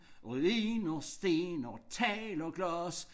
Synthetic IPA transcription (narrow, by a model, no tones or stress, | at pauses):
ʁuiːnɒsd̥e̝ːnɒt͡sʰɛːlɒɡ̥lɔs